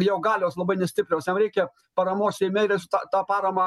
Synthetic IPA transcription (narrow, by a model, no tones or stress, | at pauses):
jɛʊɡɑːlʲoːslˠɐbɐɪnʲɛsʲt̪ʲɪpʲɾʲoːsjɛmɾʲɛɪkʲɛ | pɐɾɐmoːssʲɛɪmʲɛɪɾʲɛsʲʊt̪ɑt̪ɑːpɑːɾɐmɑː